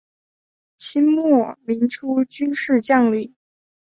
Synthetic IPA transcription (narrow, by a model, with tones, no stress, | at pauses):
t͡ɕʰi˥nmwɔ˥˩mi˧˥ŋʈ͡ʂʰu˥t͡ɕy˥nʂɻ̩˥˧t͡ɕjɑ˥˧ŋli˥˩